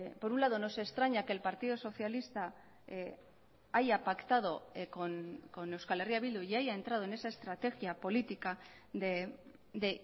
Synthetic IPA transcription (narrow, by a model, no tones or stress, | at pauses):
po̞ɾunlað̞o̞no̞se̞st̪ɾaɲake̞lpaɾt̪iðoso̞θjalist̪a | ajapakt̪að̞o̞konko̞ne̞wskale̞riaβild̪ujajae̞nt̪ɾaðo̞ene̞sae̞st̪ɾat̪e̞ɣjapo̞lit̪ika | ðe | ðe